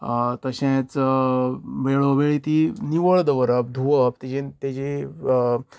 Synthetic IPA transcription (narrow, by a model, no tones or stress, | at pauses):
t̪əɕɛ̃t͡s | ʋeɭoʋeɭit̪iniʋəɭd̪əʋəɾəp̚d̪ʱuʋəp̚t̪ed͡ʑet̪ed͡ʑe